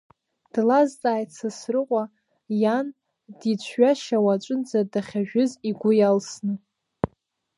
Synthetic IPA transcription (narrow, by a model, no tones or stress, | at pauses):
d̥lazt͡sʼaːjt͡sʰasrɨqʷʼa | jan | dit͡ɕʷʰɥaʃawat͡ʃʷʼɨnd͡zadaχʲaʒᶣɪziɡʷʊjalsnɨ